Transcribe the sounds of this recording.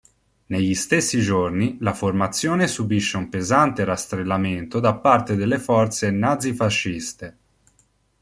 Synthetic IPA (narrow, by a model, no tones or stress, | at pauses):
neʎːist̪esːid͡ʒornilaformat̪sːjɔːnesubiʃːeumpezant̪eɾast̪ɾelːament̪od̪apːart̪ed̪elːefɔrt̪senad̪zːifaʃːist̪e